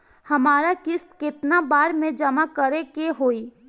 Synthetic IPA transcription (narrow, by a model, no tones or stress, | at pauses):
hɐmaːɾakɪst̪kɪt̪nabaːɾmẽd͡ʒəmakəɾekeɦoːi